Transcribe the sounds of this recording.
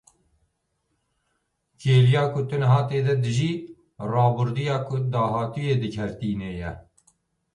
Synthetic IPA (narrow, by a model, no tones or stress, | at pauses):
kʰeːlijɑːkʊt̪ɨnɦɑːt̪eːd̪ɛd̪ɨʒiː | rɑːbʊɾd̪ujɑːkʊd̪ɑːɦɑːt̪ujeːd̪ɨkʰɛɾt̪iːnejɛ